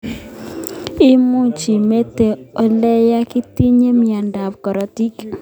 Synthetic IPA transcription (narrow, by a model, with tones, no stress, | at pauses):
i˦mu˦ɲt͡ʃi˨me˦te˨ɔ˨lɛ˦ja˦ki˦ti˦ɲe˦mja˨nda˨p̚kɔ˨ɾɔ˨ti˦k